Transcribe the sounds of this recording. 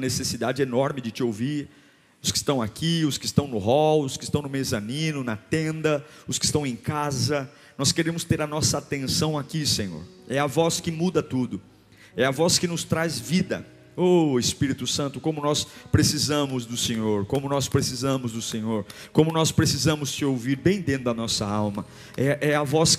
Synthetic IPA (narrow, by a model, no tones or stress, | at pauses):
nesesid̪ad͡ʒɪenɔɾmɪd͡ʒɪt͡ʃɪowviɾ | ʊskɪ̥st̪ɐ̃w̃akiʊskɪst̪ɐ̃w̃nʊɦɔwʊskɪ̥st̪ɐ̃w̃nʊmezɐnĩnʊnɐt̪ẽnd̪ɐʊskɪ̥st̪ɐ̃w̃ẽj̃kazɐ | nɔskeɾẽmʊst̪eɾɐnɔsɐat̪ẽsɐ̃w̃akisẽɲo̰ɾ | ɛɐvɔskɪmud̪ɐt̪ud̪ʊ | ɛɐvɔskɪnʊst̪ɾazvid̪ɐ̰ | oɪspiɾit̪ʊsɐ̃nt̪ʊkõmʊnɔspɾesizɐ̃mʊzd̪ʊsẽɲoɾkõmʊnɔspɾesizɐ̃mʊzd̪ʊsẽɲoɾ | kõmʊnɔspɾesizɐ̃mʊssɪowviɾbẽj̃d̪ẽt̪ʊd̪ɐnɔsɐawmɐ | ɛʔɛɐvɔs